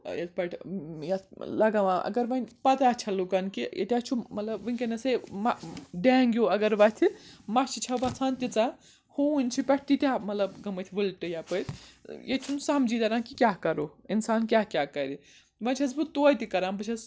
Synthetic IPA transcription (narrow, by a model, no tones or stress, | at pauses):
jɐt̪ʰpɐʈʰjɐt̪lɐɡaʋãʔɐ̰ɡɐɾʋɐnpɐt̪aːt͡ʃʰɐlukɐnkijḛt̪ʲjat͡ʃʰumɐt̪lɐbʋɨnʲkɐnɐsemaɖaːŋɡʲjoɐɡɐɾʋɐt̪ʰimɐt͡ʃʰit͡ʃʰɐbɐt͡sʰant̪it͡sa | hunʲt͡ʃʰipʲɐʈ̚ʰtit̪ʲjamɐt̪lɐbɡɐmɐt̪ʰiʋɨlʈɨjapət̪jet͡ʃʰunsamd͡ʒid̪ɐɾãkikʲaɦkɐɾoːinsaːnkʲaɦkʲakɐɾi | ʋɐt͡ʃʰɐzbut̪oːjt̪ikɐɾaːmbɨt͡ʃʰɐz